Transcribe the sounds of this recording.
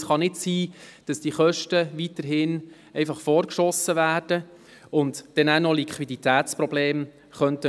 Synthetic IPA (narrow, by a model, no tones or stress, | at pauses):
sχɑnɪtsiːd̥ɑsd̥iχœʃtəʋitəɾɦɪn | ɛɪfɑχfɔːɾkʃɔsəvæːɾd̥ə | ʊntd̥ɛnænɔlikʰʋidit̪æːtt͡spɾɔbleːm | χœntə